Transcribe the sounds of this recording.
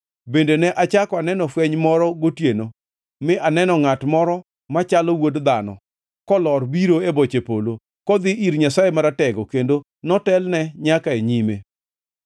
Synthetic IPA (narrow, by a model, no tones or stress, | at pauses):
bendenɛʔat͡ʃakɔanɛnɔfwɛɲmɔɾɔɡotjeno | mɪʔanɛnɔŋatmɔɾɔ | mat͡ʃalɔwodd̪anɔ̰ | kɔlɔɾbiɾoebot͡ʃepolo | kɔd̪ɪiɾɲasajemaɾatɛɡɔkendo | nɔtɛlnɛɲakaeɲime